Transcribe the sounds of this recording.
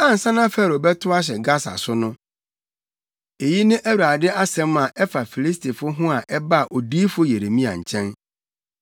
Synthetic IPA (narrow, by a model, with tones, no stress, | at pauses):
ã˦n̩˨sã˦nã˦fɛ˦˨ɾo˨bɛ˦tʰʊ˦a˦ɕ̬ɛ˨ɡa˦sa̰˨sʊ˦nʊ̃˦ | e˨ji˦nɪ̃˦ʔæ˦wa˨dɪ˦a˦sɛ̃˨˦ma˨ʔɛ˦fa˨fi˨li˦stʰi˨fʊ˦ɦʊ̃˦a˨ʔɛ˦ba˦˨ʔo˨diː˦fʊ˦je˨ɾe˨mĩ˦a̰˨ɲ̩˨t͡ɕʰɛ̃˦n